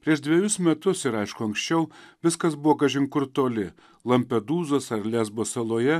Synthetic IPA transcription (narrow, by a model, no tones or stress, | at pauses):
pʲɾʲiɛʃd̪ʲʋʲɛjʊsmʲɛt̪ʊsɪɾɐɪʃkʊɐŋksʲt͡ʃʲɛʊʋʲɪskɐsbʊʋoːɡɐʒʲɪŋkʊɾt̪oːlʲɪ | lˠɐmʲpʲɛd̪uːzoːsɐɾlʲæzboːsɐlˠoːjɛ